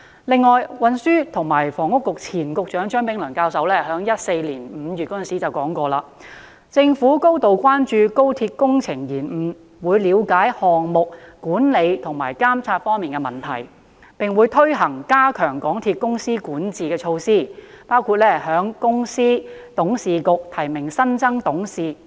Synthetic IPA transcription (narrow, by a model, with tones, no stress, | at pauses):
lɪ˨ŋːɔː˨jwɐ˨nsyː˥t̪ʰʊ˨˩ŋmaː˨˩jfɔː˨˩ŋʊ˥kːʊ˨k̚t͡sʰiː˨˩nkʊ˧k̚t͡ʃœː˨˥ŋt͡ʃœː˨˥ŋpɪ˨˥ŋlɵ˨˩ŋkaː˧wsɐ˨˧˥wlɛː˥hœː˨˥ŋjɐ˥t̚se˧jliː˨˩nm̩ː˨˧jyː˨t̚kɔ˥˨nsiː˨˥t͡sɐ˨wkɔː˨˥ŋkɔː˧laː˧ | t͡sɪ˧ŋfuː˨˥ko˥wt̪o˨wkʷwaː˥nt͡ʃyː˧ko˥wt̪ʰiː˧t̚kʊ˥ŋt͡sʰɪ˨˩ŋjiː˨˩nm̩˨˩ | wuː˨˧jliː˨˧wkaː˨˥jhɔː˨ŋmʊ˨k̚kuː˨˥nle˨˧jt̪ʰʊ˨˩ŋmaː˨˩jkaː˥mt͡sʰaː˧t̚fɔː˥ŋmiː˨nkɛ˧mɐ˨˩nt̪ʰɐ̰˨˩j | pɪ˨ŋwuː˨˧jt̪ʰɵ˥ɥɦɐ˨˩ŋkaː˥kʰœː˨˩ŋkɔː˨˥ŋt̪ʰiː˧t̚kʊ˥ŋsiː˥kuː˨˥nt͡siː˨kɛː˧t͡ʃʰo˧wsiː˥˩paː˥wkʰu˧t̚lɛː˥˩hœː˨˥ŋkʊ˥ŋsiː˥t̪ʊ˨˥ŋsiː˨kʊ˨k̚t̪ʰɐ˨˩jmɪ˨˩ŋsɐ˥nt͡sɐ˥ŋt̪ʊ˨˥ŋsiː˨˩